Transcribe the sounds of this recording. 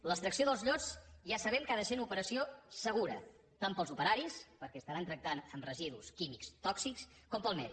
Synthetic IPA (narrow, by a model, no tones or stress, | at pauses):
ləkst̪ɾəksioðəlˠzʎɔd͡zʒasəβ̞ɛmkaðəsenupəɾəsiosəɣ̞uɾə̰ | t̪ampəlˠzupəɾaɾispəɾkɛəst̪əɾant̪ɾək̚t̪anəmrəziðuskimikst̪ɔksiks | kɔmpəlˠmɛ̰ði